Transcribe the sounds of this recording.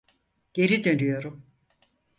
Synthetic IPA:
ɟ̥e̞ɾid̪ø̞nyjo̞ɾum

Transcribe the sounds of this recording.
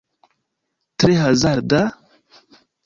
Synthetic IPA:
tɾeɦazaɾda

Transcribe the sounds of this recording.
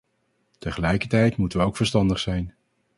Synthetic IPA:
təχəlɛjkəɹtɛjtmutənʋəowkfəɹstɑndəχsɛjn

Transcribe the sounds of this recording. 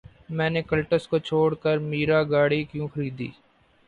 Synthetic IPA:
mɛ̃ːnekəlʈəskot͡ʃʰoːɽkəɾmiːɾaːɡaːɽikjũːxəɾiːd̪ḭː

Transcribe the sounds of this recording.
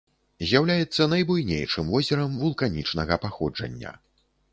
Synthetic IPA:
zʲjawlʲajɛt̪sːɐnɐjbujnʲḛjʂɨmvɔzʲɛɾɐmvulˠkanʲit͡ʂnɐɣɐpaxɔd͡ʐɐ̰nʲːɐ̰

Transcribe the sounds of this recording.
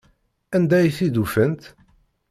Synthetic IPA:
ænd̪æjθid̪ufənt̪

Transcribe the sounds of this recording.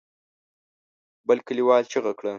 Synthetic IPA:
bəlkəliwɑlt͡ʃeɣakɽə

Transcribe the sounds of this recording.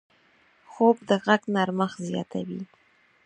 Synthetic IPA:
xob̚d̪əɣaɡnaɾməxzjɑ̰t̪ʰawḭ

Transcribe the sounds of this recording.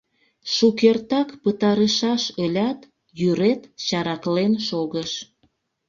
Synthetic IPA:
ʃukert̪ɑkpət̪ɑɾəʃɑʃəlʲɑt̪ | jyɾet̪t͡ɕɑɾɑklenʃoɣəʃ

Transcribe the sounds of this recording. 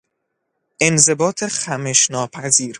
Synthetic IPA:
ʔe̞nze̞bɒːt̪ʰexæmeʃnɒːpʰæziːɾ

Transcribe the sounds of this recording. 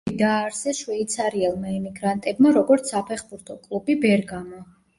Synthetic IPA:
d̪aːɾsɛʃwɛit̪sʰaɾiɛlˠmaimiɡɾant̪ʼɛbmaɾɔɡɔɾt̪sʰapʰɛχbuɾt̪ʰɔkʼlˠubibɛɾɡamɔ

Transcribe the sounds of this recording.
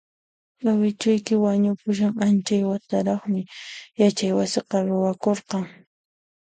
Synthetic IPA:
ɢawɪt͡ʃʊjkɪwaɲʊpʊʃ̬aŋant͡ʃajwat̪aɾɑχmɪjat͡ʃajwasɪqɑɾʊwakoɾqɑŋ

